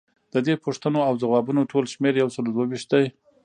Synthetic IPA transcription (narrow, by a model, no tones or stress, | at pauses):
d̪̥əd̪epʰoʂt̪ənoawzawɑbunoʈʰolʃmeɾjawsəlod̪wawiʃt̪̚d̪aj